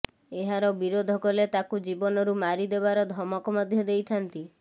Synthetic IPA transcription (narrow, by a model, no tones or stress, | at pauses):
eɦaɾɔbiɾod̪ʱɔkɔlet̪akud͡ʒibɔnɔɾumaɾid̪ebaɾɔd̪ʱɔmɔkɔmɔd̪ʱjɔd̪ejt̪ʰant̪i